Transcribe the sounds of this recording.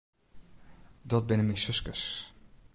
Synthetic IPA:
dɔt̚bɪnəmisøskə̰s

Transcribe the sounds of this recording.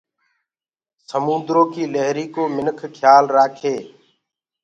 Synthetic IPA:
səmũːnd̪ɾõːkiːləɦɾiːkoːmɪnkʰkʰjaːlɾaːkʰeː

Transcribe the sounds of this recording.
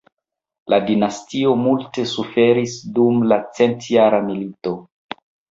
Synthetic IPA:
lʔadinastio̞multe̞sufe̞ɾisdumlat͡se̞ntjaɾamilito̞

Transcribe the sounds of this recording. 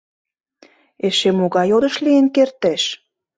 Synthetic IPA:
eʃemoɣɑjod̪ə̆ʃlienkert̪eʃ

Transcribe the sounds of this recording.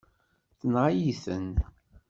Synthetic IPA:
θənʁajiθə̰n

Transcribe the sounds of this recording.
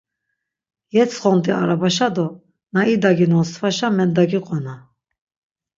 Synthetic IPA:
jɛt͡sʰχɔnt̪ʼiaɾabaʃad̪ɔ | naid̪aɡinɔsʰvaʃamɛnd̪aɡiqʼɔna

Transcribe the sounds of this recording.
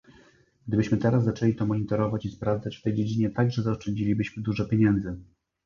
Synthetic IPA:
ɡ̥d̪ɘbɘɕmɘt̪ɛɾaszat͡ʂɛlʲit̪ɔmɔɲit̪ɔɾɔvat͡ɕispɾavd̪zat͡ɕft̪ɛjd͡ʑed͡ʑiɲɛt̪aɡʐɛzaɔʂt͡ʂɛɲd͡ʑilʲibɘɕmɘd̪uʐɛpʲjeɲɛnd̪zɘ

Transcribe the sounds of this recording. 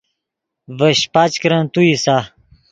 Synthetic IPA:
vəɕpat͡ɕkɾɐnt̪uisa

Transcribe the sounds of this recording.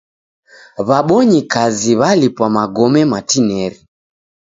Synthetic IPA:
βaɓɔɲikaziβalipwamaɡɔmɛmatinɛɾi

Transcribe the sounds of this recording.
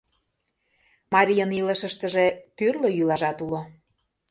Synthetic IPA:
mɑɾʲijəniləʃə̆ʃt̪ə̆ʒet̪yrløjylɑʒɑt̪ulo

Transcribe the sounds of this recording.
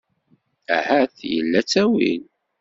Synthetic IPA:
æ̰hæθjə̰lːæt͡sːæwḭn

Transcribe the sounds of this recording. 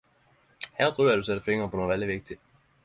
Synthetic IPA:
hæɐ̰d̥ʁyːɐd̥used̥əfeŋɐpʰɒ̽noʋæliʋeɡ̥̚d̥i̥

